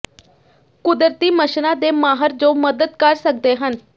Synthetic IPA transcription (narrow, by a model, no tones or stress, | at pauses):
kʊd̪əɾt̪iːməʃnãːd̪eːmaːɦəɾd͡ʒoːməd̪əd̪kəɾsək̚d̪eːɦən